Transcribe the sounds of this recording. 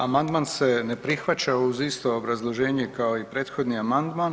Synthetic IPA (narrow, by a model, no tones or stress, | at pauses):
amand̪manse̞ne̞pɾixʋat͡ɕauzist̪oobɾazlˠo̞ʒe̞ːɲekao̞ipɾe̞ːt̪xo̞d̪niamand̪man